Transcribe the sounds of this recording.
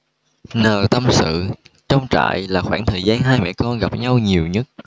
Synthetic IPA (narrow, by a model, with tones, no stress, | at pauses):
nəː˨˩t̪ə˧msɨ̰˧˨t͡ɕɔ˧wŋ͡mt͡ɕa̰ː˧˨jlaː˨˩xwaː˧˩ŋt̪ʰəː˨˩jzaː˧nɦaː˧jmɛ̰˧˥kɔ˧nɣa˨˩p̚ɲa˧wɲi˨˩əwɲə˦˥t̚